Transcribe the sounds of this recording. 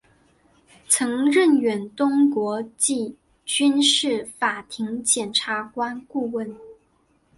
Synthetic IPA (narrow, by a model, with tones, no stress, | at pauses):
t͡sʰɤ˧˥ŋɻə˥˩nɥɛ˨˩nt̪ʊ˥ŋkwɔ˧˥t͡ɕi˥˩ | t͡ɕy˥nʂɻ̩˥˩fa˨˩t̪ʰi˧˥ŋt͡ɕjɛ˨˩nʈ͡ʂʰa˧˥kwa˥nku˥˧wə˥˩n